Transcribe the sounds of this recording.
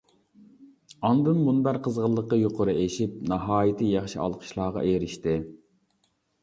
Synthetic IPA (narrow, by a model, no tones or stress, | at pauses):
ɑnd̪ɨmːunbæɾqʰəzʁəlˠːəqːɑjoqʰʊɾɨeʃip̚nɑɦɑːjɪt̪ʰɨjɑχʃiɑ̰lˠqʰə̥ʃlˠɑːʁɑ̰ʔeɾɪʃt̪ɪ